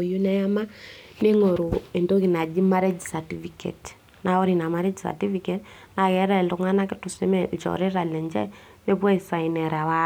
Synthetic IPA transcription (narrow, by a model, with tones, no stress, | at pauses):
o˨ju˦nɛ˦ja˦ma˦ne˦ŋo˨ɾo˨e˨ndo˦ki˨na˨d͡ʒi˦ma˦ɾe˦d͡ʒsa˨ti˦fikḛ˨t | na˨ɔ˦ɾi˨na˨ma˦ɾe˦d͡ʒsa̰˨ti˦fikɛt | na˨ɣɛ˨ɾɛ˨lʊ˨ŋa˦na˦kɪ˦tu˨se˦mɛt͡ʃɔ̰˨ɾe˦ɾa˨lɛ˨ɲd͡ʒɛ̰˦ | βe˦pwa˦i˨sa˨inɛ˨ɾa˨wa